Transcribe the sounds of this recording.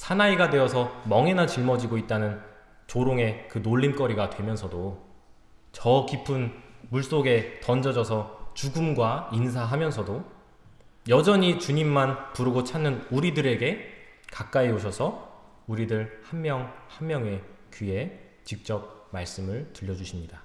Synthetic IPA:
sʰanaiɡadwe̞ʌsʰʌmʌŋe̞nat͡ɕiɭmʌd͡ʑiɡoit̚t͈anɯn | t͡ɕoɾoŋe̞kɯnoʎːink͈ʌɾiɡadwe̞mjʌnsʰʌdo | t͡ɕʌkipʰunmuɭs͈oɡe̞tʌnd͡ʑʌd͡ʑʌsʰʌt͡ɕuɡumɡwains̬ʰaɦamjʌns̬ʰʌdo | jʌd͡ʑʌɲit͡ɕuɲimːanpuɾɯɡot͡ɕʰanːɯnuɾidɯɾe̞ɡe̞ | kak̚k͈aeoɕ̬ʰʌsʰʌ | uɾidɯɭhammjʌŋhamːjʌŋe̞kie̞ | t͡ɕik̚t͡ɕ͈ʌp̚maɭs͈ɯmɯɭtɯʎːʌd͡ʑuɕʰimɲida

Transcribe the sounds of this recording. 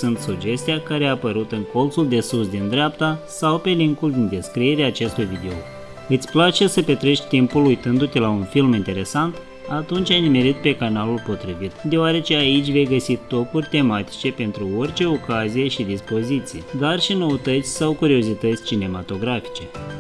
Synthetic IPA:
sunt̪sud͡ʒe̞st̪ijakaɾeaːpəɾut̪ɨŋko̞lt̪suld̪e̞susd̪ind̪ɾʲeapt̪asawpe̞liŋkuld̪ind̪e̞skɾie̞ɾeaːt͡ʃe̞st̪ujvid̪e̞o | ɨt̪sʲplat͡ʃe̞səpe̞t̪ɾe̞ʃt̪ʲt̪impulujt̪ɨnd̪ut̪elaunfilmint̪e̞ɾe̞sant̪ | at̪unt͡ʃʲanʲme̞ɾit̪̚pe̞kanalulpo̞t̪ɾivit̪d̪e̞oaɾe̞t͡ʃe̞ait͡ʃʲve̞jɡəsit̪ːo̞purʲt̪e̞mat̪i̥t͡ʃe̞pe̞nt̪ɾuo̞rʲt͡ʃe̞o̞kazije̞ʃid̪ispo̞zit̪sijed̪arʃino̞ət̪ət̪sʲsawkuɾio̞zit̪ət̪sʲt͡ʃine̞mat̪o̞ɡɾafi̥t͡ʃe̞

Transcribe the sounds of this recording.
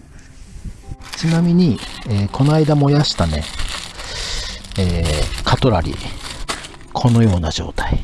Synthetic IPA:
t͡sɨnamʲiɲ̟ieːkʰo̞naid̪amo̞jaɕi̥t̪ane̞̰ | eːkʰat̪o̞ɾa̰ɾʲḭ | kʰo̞no̞jo̞ːnaʑo̞̰ːt̪ḁi

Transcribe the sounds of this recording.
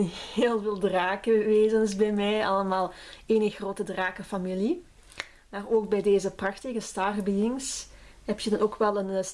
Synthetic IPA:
eːlˠveːlˠdraːkəʋeːzənsbɛjmɛjɑ̰ləmaːlˠeːnəxroːtədraːkəfamili | maːroːk̚bɛjdeːzəprɑxtɪɣəstaːrbijɪŋs | ɦɛp̚tjədɑnoːkʋɛlˠən

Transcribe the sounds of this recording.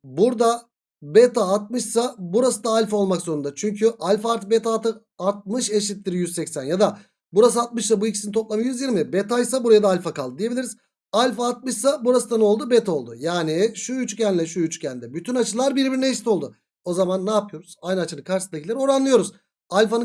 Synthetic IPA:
buɾd̪a | bet̪ʰaːt̪̚mɯʃsabuɾasɯd̪aːlʲfo̞lˠmakz̥o̞ɾund̪at͡ʃʰyɲcʰyʔalʲfaɾt̪bet̪ʰat̪ɯ | aɾt̪̚mɯʃeʃit̪ːʲiɾijyzsɛcsænjad̪a | buɾas̬ɯat̪̚mɯʃlˠabuicʰi̥sinit̪ʰo̞plˠamajyzjiɾmɪbet̪ajsabuɾajad̪aːlʲfakalˠd̪ɯd̪ije̞bilʲiɾiz̥ | alʲfaːt̪̚mɯʃsabuɾasɯd̪ano̞lˠd̪ubet̪ʰo̞lˠd̪ʊjaːniʃuyt͡ʃcʰænlʲɛʃuyt͡ʃcʰænʲd̪ɛbyt̪ʰynat͡ʃʰɯlˠaɾbiɾbiɾinɛeʃit̪ʰo̞lˠd̪ʊ | o̞zamanːaːpʰɯjo̞ɾuz̥ajnɯat͡ʃʰɯnɯkʰaɾʃɯsnd̪acʰieɾio̞ɾanlˠɯjo̞ɾuz̥ | alʲfanɯ

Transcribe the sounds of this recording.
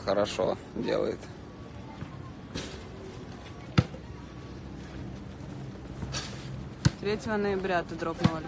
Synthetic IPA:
xəɾɐʂo̰ | dʲḛlˠə̰jɪ̰t̪ | t̪ɾʲetʲəvənəjɪbɾʲat̪əd̪ɾopnəvə

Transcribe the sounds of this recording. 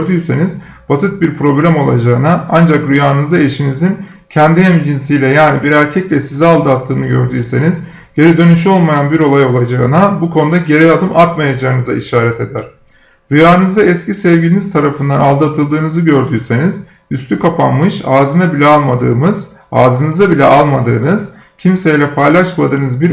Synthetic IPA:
ɾd̪yːse̞niz | b̥asɯt̪̚biɾpɾo̞blʲæmo̞lˠa̰d͡ʒaɯnaand͡ʒakɾujaːɯnɯzd̪ae̞ʃinizin | cʰɛnd̪iɦɛmd͡ʒins̬ijlʲɛjaːnibiɾæɾcʰɛclʲɛsizɛalˠd̪at̪ʰːɯːnɯɟø̞̰ɾd̪yːse̞niz | ɟ̥e̞ɾɛd̪ø̞nyʃ̬o̞lˠmajanbiɾo̞lˠajo̞lˠad͡ʒaɯnabukʰo̞nud̪aɟe̞ɾɛjad̪ɯmʔat̪majad͡ʒaɯnɯza̰ʔiʃaːɾɛt̪ʰe̞d̪æɾ̥ | d̪̥ujaːɯnɯzd̪aɛscisɛvɟilʲiniz̥t̪ʰaɾafɯnd̪analˠd̪at̪ʰɯlˠd̪ɯːnɯzɯɟø̞ɾd̪yːse̞niz̥ | yst̪ʰykʰapanmɯʃaːzɯnabilʲɛalˠmad̪ɯːmɯz | a̰ːzɯnɯzabilʲɛʔalˠmad̪ɯːnɯz̥ | cʰimsejlʲɛpʰajlˠaʃmad̪ɯːnɯzbiɾ

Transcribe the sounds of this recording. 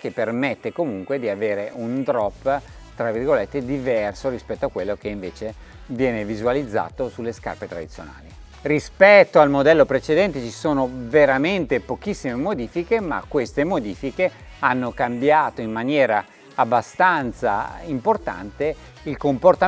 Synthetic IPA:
k̟epːermet̪ːekomuŋkwed̪iaveːɾeʔund̪ɾɔpː | t̪ɾavirɡolet̪ːed̪ivɛrsoɾispɛt̪ːoakːwelːokeiɱveːt͡ʃe | vjɛːnevizualid̪zːa̰ːt̪osulːeska̰rpet̪ɾa̰d̪it̪sjo̰na̰ːli | rispɛt̪ːoalmod̪ɛlːopɾet͡ʃed̪ɛnt̪et͡ʃisoːnoveɾament̪epok̟isːimemod̪iːfikema̰kːwest̪emod̪iːfike | anːokambjaːt̪oimːanjɛːɾaː | bːast̪ant̪sa̰import̪a̰nt̪e | ilkomport̪a

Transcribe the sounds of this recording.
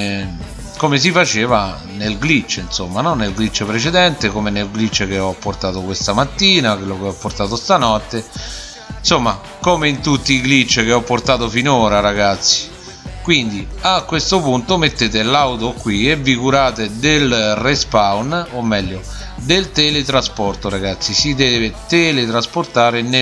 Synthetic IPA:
komes̬ifat͡ʃeːva | nelɡlit͡ʃːinsomːanɔnːelɡlit͡ʃːpɾet͡ʃed̪ɛnt̪ekomenelɡlit͡ʃːek̟eɔpːort̪aːt̪okwest̪amat̪ːiːnakwelːokeɔpːort̪aːt̪ost̪anɔt̪ːe | nsomːa | komeint̪ut̪ːiːɡlit͡ʃːk̟eɔpːort̪aːt̪ofinoːɾaɾaɡat̪sːi̥ | kwind̪iakːwest̪opunt̪omet̪ːeːt̪̬elawt̪okːwievikuɾaːt̪ed̪elrespawnomːɛʎːo | d̪elt̪ɛlet̪ɾaspɔrt̪oɾaɡat̪sːisid̪ɛːvet̪ɛlet̪ɾasport̪aːɾen

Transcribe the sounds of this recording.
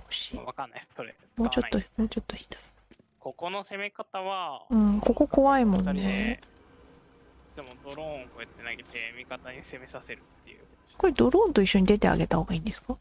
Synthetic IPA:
oɕiβakanːaoɾḛ | mo̞ːt͡ɕo̞ːomo̞ːt͡ɕo̞t̪ːo̞çi̥d̪ai | ko̞ko̞nose̞me̞kat̪aβaɯ̟̃ɴko̞ko̞ko̞βaimõ̞nːe | d̪̥emod̪o̞ɾõŋkoet̪ːenaɡet̪emʲikat̪aɲ̟ise̞me̞sase̞ɾɯ̟tt̪ːejɯ̟ | skoid̪o̞ɾõ̞ːnt̪o̞iɕːo̞ɲ̟id̪e̞t̪e̞a̰ɡe̞t̪aho̞ːɡaĩːnd̪e̞sɨ̥ka

